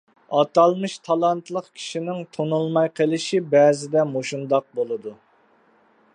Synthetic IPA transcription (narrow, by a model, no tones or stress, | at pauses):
ɑt̪ɑlˠmɨʃt̪ʰɑlˠɑnt̪lˠəqkʲʰi̥ʃinɪŋt̪ʰonulˠmɑjqʰəlˠɪʃibɛzɪd̪ɛmoʃund̪ɑq̚bolˠɨd̪u